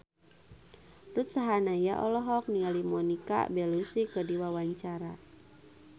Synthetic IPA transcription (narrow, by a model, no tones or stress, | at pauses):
rut̪̚saɦanajaʔɔlɔɦɔk̚nialimɔnika̰bɛlusikədiwawaɲt͡ʃaɾa